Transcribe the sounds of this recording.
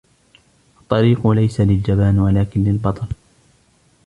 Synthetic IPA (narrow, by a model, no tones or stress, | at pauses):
ʔɑt̪ˤːɑɾiːqʊlajsalɪld͡ʒabaːnwalaːkɪnlɪlbɑt̪ˤɑl